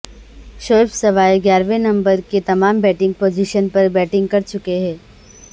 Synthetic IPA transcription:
ʃoːpsɐʋaːjɡjaːɾʋenɐ̃mbəɾket̪ɐmaːmbɛːʈɪ̃ŋɡ̚poːd͡ʒiʃənpɐɾbɛːʈɪ̃ŋɡ̚kɐɾt͡ʃʊkeɦɛ̃ː

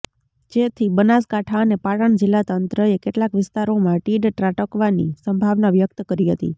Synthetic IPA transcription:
d͡ʒet̪ʰibənaskaʈʰaənepaɽəɳd͡ʒɪlːat̪ənt̪ɾəekeʈlakʋɪst̪aɾomãʈiɖʈɾaʈəkʋanisəmbʱaʋnaʋjək̚t̪əkəɾiɦət̪ḭ

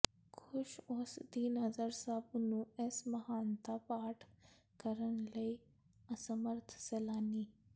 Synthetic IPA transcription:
kʰʊʃʊsd̪iːnɦəzəɾsabnũːɛsmɐɦaːnt̪apaːʈʰ | kəɾənləi | əsəməɾt̪ʰsɛlaːniː

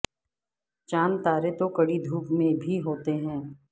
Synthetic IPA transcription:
t͡ʃaːnt̪aːɾet̪okɐɽid̪ʱuːpmẽbʱiɦoːt̪eɦɛ̃ː

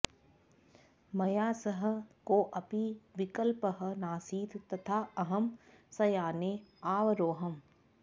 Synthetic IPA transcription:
mɐjaːsɐɦə̆koːʔɐpiʋɪkəlpəɦɐ̆naːsiːt̪t̪ɐt̪ʰaːɐɦɐm | sɐjaːneːaːʋɾoːɦɐm

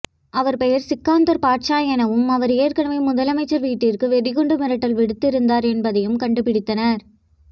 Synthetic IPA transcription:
ɐʋɐɾpɛjɐɾsɪkːaːnd̪ɐɾpaːʈt͡ʃaːjɐnɐʋɯmɐʋɐɾeːɾkɐɳɐmɐɪmʊðɐlɐmɐɪt͡ʃːɐɾʋiːʈːɪrkɯʋɛðɪɣɔɳɖɯmɪɾɐʈːɐlʋɪɽɯt̪ːɪɾɯnd̪aːɾɛnbɐðɐjɯmkɐɳɖɯpɪɽɪt̪ːɐnɐɾ

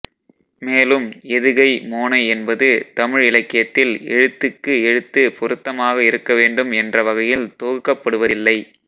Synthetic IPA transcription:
meːlɯmɛðɯɣɐɪmoːnɐɪɛnbɐðɯt̪ɐmɪɻɪlɐkːɪjɐt̪ːɪlɛ̰ɻɯt̪ːɯkːɯɛɻɯt̪ːɯpɔɾɯt̪ːɐmaːɣɐɪɾɯkːɐʋeːɳɖɯmɛndrɐʋɐɣɐjɪlt̪oːɣɯkːɐpːɐɽɯʋɐɪlːɐɪ

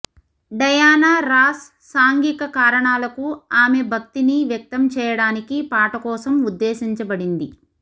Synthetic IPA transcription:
ɖɐjaːnaːɾaːsː | aːŋɡikɐkaːɾɐɳaːlɐkuaːme̞bʱɐk̚t̪iniʋjɐk̚t̪ɐmt͡ʃɛːjɐɽaːnikipaːʈɐkɔːsɐmud̪ːeːsiɲt͡ʃɐbɐɽind̪i

